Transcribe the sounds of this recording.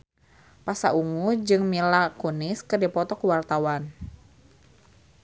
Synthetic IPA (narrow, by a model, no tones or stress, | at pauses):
pasa̰ʔuŋud͡ʒɨŋmilakunɪskɨrdipɔt̪ɔkuwart̪awan